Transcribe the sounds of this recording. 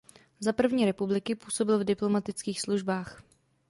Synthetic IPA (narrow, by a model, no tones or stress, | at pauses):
zapr̩vɲiːɾɛpublɪkɪpuːso̞bɪlvdɪplo̞mat̪ɪt͡skiːxsluʒbaːx